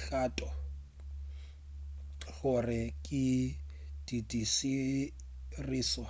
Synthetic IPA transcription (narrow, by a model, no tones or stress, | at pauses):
ɬaːtʼɔ | ɣʊrɪkʼɪ | d̥idisi | riːsɔ